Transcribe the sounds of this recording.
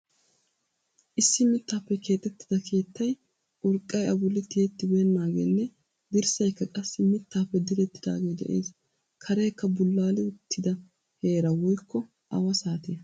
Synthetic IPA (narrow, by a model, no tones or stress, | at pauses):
ʔɪsːɪmɪt̪ːaːpːɛkʰe̞ːt̪ʼːɛt̪ːɪ̥d̪ɐkʰe̞ːt̪ʰːɐj | ʔʊɾkʼːɐjɐbʊlːɪt̪ɪɛt̪ːɪbeːnːaːɡḛːnːɛ | d̪ɪɾsɐjkːɐkʼɐsːɪmɪt̪ːaːpːɛd̪ɪɾɛt̪ːɪd̪a̰ːɡe̞ːd̪ɛ̰ʔḛːs | kʰɐɾeːkːɐbʊlːaːlɪʊt̪ʰːɪd̪ɐ | he̞ːɾɐwɔjkːɔ | ʔɐ̰wɐsaːt̪ɪjɐ